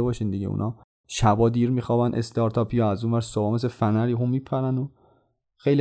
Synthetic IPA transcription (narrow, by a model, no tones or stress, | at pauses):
ebɒːʃiːnd̪iɟḛṵnʔɒː | ʃæbɒːd̪iːɾmixɒːbænʔḛst̪ʰɒɾt̪ʰɒːpʰijɒæzuːnvæɾsobɒːmes̬efænæɾiɦumiːpʰæɾæno | xejli